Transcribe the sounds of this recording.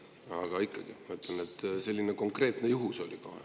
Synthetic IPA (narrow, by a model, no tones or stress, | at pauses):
ɑ̰ɡ̥ɑikːˑɑɡ̥ḭmɑyt̪lenet̪ːˑse̞lʲːine̞ko̞ŋkre̞ːt̪ne̞juɦuso̞lʲiko̰hḛ